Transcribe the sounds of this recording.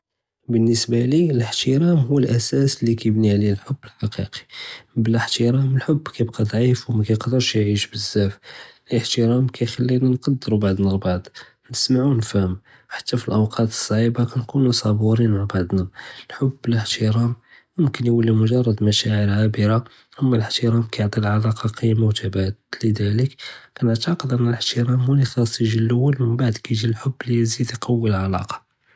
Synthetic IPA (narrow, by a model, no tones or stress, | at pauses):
bənːəsbaliələħt̪əɾæmhuwːəlʔæsæslːikæjəbniʕliəlħobːəlħɑqiqʰi̥bələħt̪əɾæməlħobːkæjb̚qɑd̪ˤʕifwmækæjqd̪əɾˤʃjʕiʃbəzːæfləħt̪əɾæmkʰæjxælːinænqɑd̪ːəɾubaʕd̪nælbaʕd̪ | nəsmaʕunfæhm | ħḁt̪ːæfilʔəwqʰɑt̪ə̥sˤːʕibakænkunusˤɑbuɾinabaʕd̪næəlħobːələħt̪ʰəɾæm | mʊmkənjwəlːimʊʒɑrˤːɑd̪mæʃæʕəɾhæbəɾa | ʔəmːæləħt̪əɾæmkæjʕt̪ˤilʕalɑqɑqijmawt̪æbæləd̪æləkkænəʕt̪ɑqəd̪ʔənːələħt̪əɾɑmhunixɑsˤʒəlːəwːəlməmbaʕd̪kæjʒilħobːlizid̪iqɑwːilʕalɑ̰qɑ̥